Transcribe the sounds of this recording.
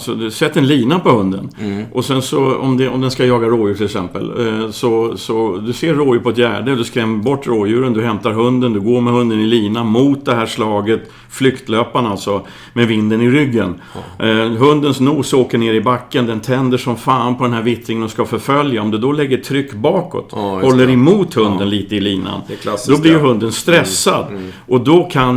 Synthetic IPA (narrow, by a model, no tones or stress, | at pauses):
sɔd̪ɵsɛt̪ːɛnliːnapɔhɵnd̪ə̰nʔɔsɛnsɔɔ̰md̪ɛɔmd̪ɛnskajɑːɡaɾoːjʉːʈʰɪlɛksɛ̰mpə̰lsɔsɔd̪ɵseːɾːoːjʉːpʰɔɛt̪jæ̰ːɖəd̪ɵskɾɛmːbɔʈːɾoːjʉ̟ːɾənd̪ɵɦɛmt̪aɾɦɵnd̪ənd̪ɵɡoːɾmɛhɵnd̪ənɪliːnamut̪̚d̪ɛɦæːʂlɑːɡət̪ | flʏkt̪løːpanalt̪sɔ | mɛvɪnd̪ənɪɾʏɡːən | ɦɵnd̪ənsnuːsoːkəɳeːɾɪbakːənd̪ɛnt̪ʰɛnd̪əʂɔmfaːnpʰɔd̪ɛnɦæɾvɪt̪ɾɪŋənɔskafœɾfœljaɔmd̪ɵd̪ɔlɛɡːəʈʰɾʏkːbɑːkɔ̰t̪hɔlːəɾɪmuːt̪hɵnd̪ənliːt̪əɪliːna̰ndd̪ɔblɪjɦɵnd̪ənst̪ɾɛsːad̪ʔɔd̪ɔkʰan